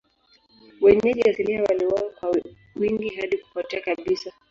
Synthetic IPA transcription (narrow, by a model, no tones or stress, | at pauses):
wɛɲɛʄɛasiliawaliwawakwa | wiŋɡiɦaɗiku̥fatiakaɓisa